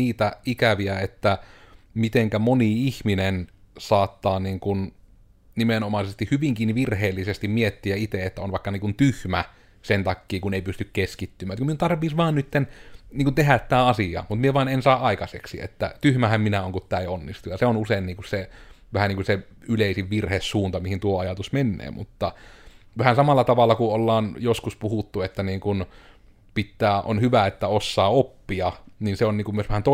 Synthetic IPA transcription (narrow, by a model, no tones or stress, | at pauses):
iːt̪æikæʋiæet̪ːæmit̪eŋkæmoniihminensɑːt̪ːɑːniːŋkun | nimenomɑˑisest̪ihhyʋiŋkiːniʋirheːlːisest̪immiet̪ːiæit̪eet̪ːæonʋɑˑikːɑniːŋkunt̪yhmæ | sent̪ɑkːiːkuneˑipyst̪ykkeskit̪ːymˑæːt̪kmiunt̪ɑrʋiːsʋɑːnnyt̪ːenniːŋkunt̪eɦæt̪t̪æːɑsiɑ̰mut̪mieʋɑinensɑːʔɑikɑsḛksiḛt̪ːæ̰t̪yhmæhæmminæoŋkut̪tæˑionːist̪ujɑseonuseˑinniːŋkusseʋæhæniːŋkuse | yleˑisiʋʋirhessuːnt̪ɑmihint̪uoɑjɑt̪usmenːḛːmṵt̪ːɑʋæhænsɑmɑlːɑt̪ɑʋɑlːɑkuolːɑːnjoskuspuhut̪ːuet̪ːæniːŋkun | pit̪ːæːʔo̰nhyʋæet̪ːæosːɑːopːiɑninseonniːŋkumyøsʋæhænt̪o